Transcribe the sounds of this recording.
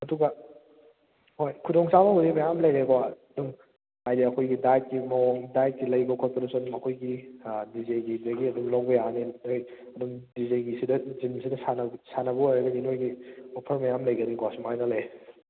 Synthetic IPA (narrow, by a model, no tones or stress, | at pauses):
ɐduɡɐ | hojkʰudoŋsabɐhudimɐjamlɐjɾekwaɐduŋ | hajdiɐkʰojɡidajt̚kimɐwɔŋdajt̚ɡilɐjbɐkʰɔt̚tɐɾɐsonmɐkʰojɡidizejɡidɐɡiɐdumlowbɐjanenoj | ɐdumdizejɡisidɐzimsidɐsanɐsanɐbɐojɾɐɡɐninojɡiopʰɐɾmɐjamlɐjɡɐnikwasumajnɐlɐj